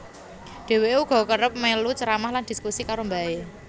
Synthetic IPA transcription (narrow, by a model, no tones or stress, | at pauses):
ɖ̪̥e̤weuɡ̥ɔ̤kəɾəp̚melut͡ʃəɾamahland̪̥i̤skusikaɾombae